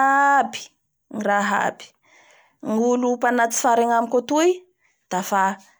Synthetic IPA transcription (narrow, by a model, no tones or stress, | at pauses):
abi̥ | ŋiraɦa̰bi̥ | ŋulupanat͡si̥faɾaŋamikot̪uj | d̪̥afa